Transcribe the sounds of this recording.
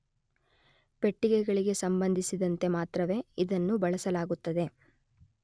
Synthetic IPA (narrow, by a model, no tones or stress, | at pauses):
pe̞ʈːiɡɛɡɐɭiɡe̞sɐmbɐnd̪ʱisid̪ɐnt̪e̞maːt̪ɾɐʋe̞ːid̪ɐnːubɐɭɐsɐlaːɡut̪ːɐd̪e̞